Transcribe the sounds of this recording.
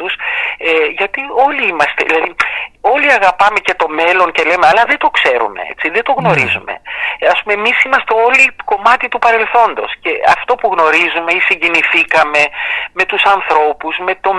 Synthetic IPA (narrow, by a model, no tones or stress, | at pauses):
useʝɐt̪io̞liimɐst̪e̞̰ðilɐðio̞liɐɣɐpɐme̞ce̞t̪o̞me̞lo̞ɲce̞le̞meɐlɐðe̞d̪o̞kse̞ɾṵme̞̰ḛt͡siðet̪o̞ɣno̞ɾizume̞̰ɐspume̞emisimɐst̪e̞o̞liko̞mɐt̪it̪upɐɾe̞lθo̞nd̪o̞̰sce̞ɐ̰ft̪o̞puɣno̞ɾizume̞isiɲɟiniθikɐme̞me̞t̪usɐnθɾo̞puzme̞t̪o̞